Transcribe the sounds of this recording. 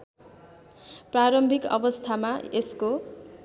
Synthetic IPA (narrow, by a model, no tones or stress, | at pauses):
praɾʌmbʱikʌ̰bʌst̪ʰamaesko